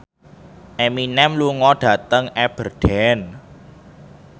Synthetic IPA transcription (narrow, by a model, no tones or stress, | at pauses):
ʔeminɛmluŋɔɖ̥ä̤t̪əŋʔɛb̥ərɖ̥ɛn